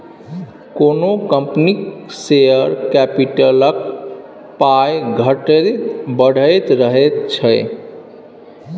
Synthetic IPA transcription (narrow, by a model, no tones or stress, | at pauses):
konokəmpniksejəɾkɛpiʈələk | pajɡʱəʈəbəɽ̤ʱəjt̪ɾəɦɛt̪t͡ʃʰəj